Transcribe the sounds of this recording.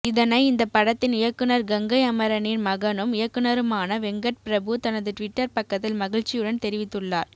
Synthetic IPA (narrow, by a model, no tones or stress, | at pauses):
ɪðɐnɐɪɪnd̪ɐpːɐɽɐt̪ːɪnɪjɐkːɯnɐɾɡɐŋɡɐɪɐmɐɾɐnɪnmɐɣɐnɯmɪjɐkːɯnɐɾɯmaːnɐʋɛŋɡɐʈ̚pɪɾɐbɯt̪ɐnɐðɯʈʋɪʈːɐɾpɐkːɐt̪ːɪlmɐɣɪɻt͡ʃːɪjɯɽɐnt̪ɛɾɪʋɪt̪ːɯɭːaːɾ